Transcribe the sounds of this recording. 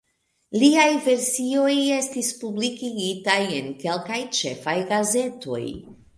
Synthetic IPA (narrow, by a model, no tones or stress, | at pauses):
liajve̞ɾsio̞je̞stispublikiɡitaje̞nke̞lkajt͡ʃe̞̰fajɡaze̞to̞̰j